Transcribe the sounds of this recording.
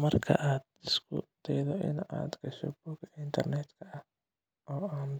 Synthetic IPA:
mɐrkʰɐ̰ʔaːd̪ɪskʰʊ̰d̪̥ɛjðɔʔɪ̰na̰ːd̪ɡɐʃɔ̰buːɡɐɪnt̪ʰɐrnɛːd̪kʰɐʔɐ | ʔɔːaːn

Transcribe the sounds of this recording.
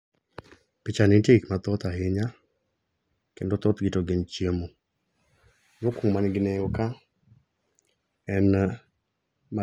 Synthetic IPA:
pɪt͡ʃanintikmat̪ɔt̪aɦɪɲa | kendot̪ɔt̪ɡɪtoɡɪnt͡ʃjemo | jokuŋmanɪɡɪnejɔka | ɛn | ma

